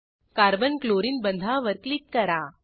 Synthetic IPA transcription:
kaːɾbɐnkloːɾinbɐnd̪ʱaːʋɐɾklikːɐɾaː

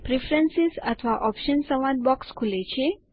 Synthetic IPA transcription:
pɾifɾənsizət̪ʰʋaʔɔpʃənsəʋad̪̚bɔkskʰulet͡ʃʰe

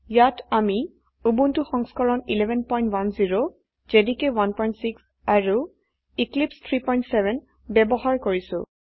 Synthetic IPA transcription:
jatami | ubuntuxɔŋskɔlɔnilɛbʱɛnpɔjntwanziɹo | d͡ʒedikewanpɔjntsiks | aɹu | iklipst̪ʰɹipɔjntsɛbɛn | bɛbɔɦaɹkoɹisʊ̰̃

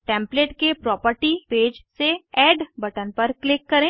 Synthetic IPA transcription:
ʈɛ̃ːmpleːʈkepɾɔːpəɾʈipeːd͡ʒseɛːɖbɐʈənpɐɾklɪkːɐɾẽː

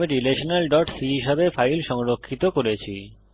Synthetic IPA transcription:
iɾileʃonelɖɔʈsiɦiʃebefajlʃɔŋɾokʰːit̪okoɾet͡ɕʰḭ

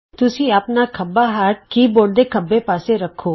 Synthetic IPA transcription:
t̪ʊsĩːəpnaːkʰəbːaːɦaːʈ̚kiːboːɽd̪ekʰəbːepaːseɾəkʰːoː

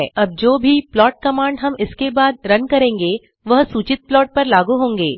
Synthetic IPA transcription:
ɐb̚d͡ʒoːbʱiplɔːʈ̚kɐmãːɳɖɦɐmɪskebaːd̪̚ɾɐnkɐɾẽːŋɡeː | ʋɐɦsuːt͡ʃɪt̪̚plɔːʈ̚pɐɾlaːɡuɦõːŋɡeː

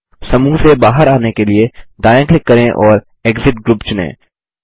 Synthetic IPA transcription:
sɐmuːɦsebaːɦəɾaːnekelieɖaːjə̃ːklɪkːɐɾẽʔɔːɾ | eːɡzɪʈɡɾuːpt͡ʃʊnḛ̃ː

